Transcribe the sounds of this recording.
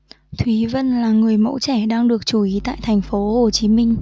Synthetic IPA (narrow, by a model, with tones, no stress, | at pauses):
t̪ʰwi˨˦və˧nlaː˨˩ŋɨ˨˩əjmo̰˧˥t͡ɕɛ˧˩ɗaː˧ŋɗɨ˨˩ək̚t͡ɕu˧˩ʔi˨˦t̪a̰ː˧˨jt̪ʰɛ˨˩ŋ̟fo˨˦ho˨˩t͡ɕi˨˦mï˧ŋ̟